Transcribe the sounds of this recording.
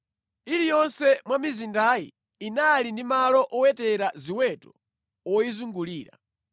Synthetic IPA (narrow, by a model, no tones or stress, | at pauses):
ilijɔnsɛmwamizindajḭː | nalindimalɔʔɔwɛtɛɾaziwɛtɔ̥ | ɔjizuŋɡuliːɾa̰